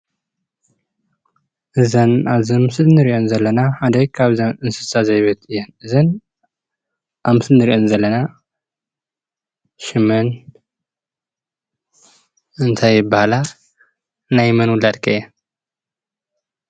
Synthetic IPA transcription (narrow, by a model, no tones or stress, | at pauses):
ʔɨzɐnaβzɨmɨsɨlnɨɾiʔonzɐlːɐnaħad̪ɐjkʰaβzɐnɨnsɨ̥sazɐjβɐt̪ɨjːɛnɨzɐn | ʔamɨsɨlnɨɾiʔonzɐlːɐna | ʃɨmɐn | ɨnt̪ʰajːɪbːahla | najmɐnwʊlad̪kʰɐjɛ